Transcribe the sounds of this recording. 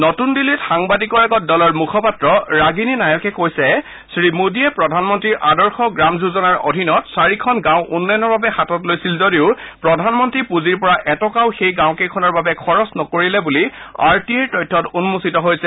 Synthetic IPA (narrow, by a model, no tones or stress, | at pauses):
nɔtundilːitxaŋbadikɔɹɛɡɔtdɔlɔɹmukʰɔpatɹɔɹaɡininajɔkɛkojsɛ | sɹimudiɛpɹɔdʱanmɔntɹiɹʔadɔɹxɔɡɹamzuzɔnaɹo̰dʱinɔtsaɹikʰɔnɡãw̃ʔunːajnːɔɹbabɛxatɔtlojsilzodiʊpɹɔdʱanmɔntɹipuziɹpɔɹaʔɛtɔkawxejɡãw̃kejkʰɔnɔɹbabɛkʰɔɹɔsnɔkoɹilɛbulia̰ɹtiɛɹtɔjtʰːɔtunmusitɔɦojsɛ